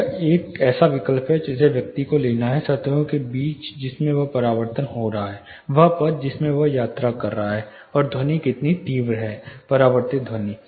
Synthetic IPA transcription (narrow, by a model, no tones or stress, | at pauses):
eːkɛːsaʋɪkəlpɦɛd͡ʒɪseʋjɐk̚t̪ikoleːnaɦɛsɐt̪õkebiːt͡ʃd͡ʒɪsmẽʋɐpɐɾaːʋəɾt̪ənɦoːɾɐɦaɦɛː | ʋɐɦpɐɾd͡ʒɪsmẽʋɐɦjaːt̪ɾakɐɾːɐɦaɦɛ | ɔːɾd̪ʱɐnikɪt̪nit̪iːʋɾɦɛːpɐɾaːʋəɾt̪ɪd̪ʱɐniː